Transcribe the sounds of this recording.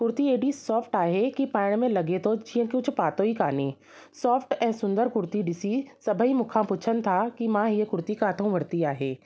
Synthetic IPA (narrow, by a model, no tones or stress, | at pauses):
kʊɾt̪ieːɖisɔːpʰʈaːɦekipaːɪɽ̃mẽlɐɡet̪ʰod͡ʒiə̃kʊt͡ʃʰpaːt̪oɦikaːneː | sɔːpʰʈɛ̃ːsʊ̃nd̪əɾkʊɾt̪iɖisisɐbʱəɦimʊkʰãpʊt͡ʃʰənt̪ʰakimãːɦjekʊɾt̪ikaːt̪ʰõʋɐɾt̪iaːɦeː